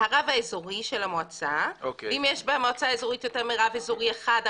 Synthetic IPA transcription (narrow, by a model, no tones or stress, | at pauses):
haʁavaezoʁiʃelamoat͡saovimjeʃbamoat͡saezo̞ʁit̪jo̞teʁmiʁavezoʁieχad